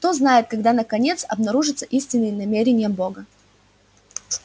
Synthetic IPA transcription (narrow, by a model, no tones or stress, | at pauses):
t̪o̞znajɪt̪̚kɐɡd̪anəkɐnʲe̞t̪sɐ̰bnɐɾuʐɨt̪səʔisʲtʲɪnːɨjnɐmʲeɾʲɪnʲɪjəbo̞ɡə